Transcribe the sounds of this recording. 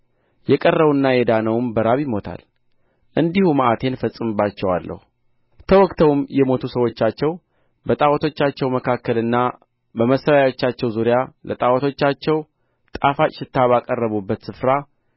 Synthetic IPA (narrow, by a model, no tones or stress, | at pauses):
jɛkʼərːəβɨnːajɛd̪anəwmbəɾaβjɪmo̞t̪ʰa̰l | ʔɨnd̪ihumaʔat̪ʰe̞nfəsʼːɨmbat͡ʃːɛwa̰lːʔə̰hu | t̪ʰəwɔkt̪ʰəwmjɛmo̞t̪ʰusəwo̞t͡ʃːat͡ʃːɛw | bət̪ʼawət̪ʰo̞t͡ʃːat͡ʃːɛwməkʰakːəlɨnːa | bəməsəɾajo̞t͡ʃːat͡ʃːɛwzuɾɪjalət̪ʼawət̪ʰo̞t͡ʃːat͡ʃːɛw | t̪ʼafat͡ʃʼɪʃɪt̪ːaβakʼərːəβubːət̪sɨfɾa